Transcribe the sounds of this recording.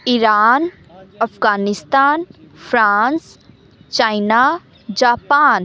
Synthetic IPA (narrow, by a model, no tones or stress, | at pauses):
iɾaːn | əpʰɡaːnist̪aːnpʰɾans | t͡ʃajna | d͡ʒaːpan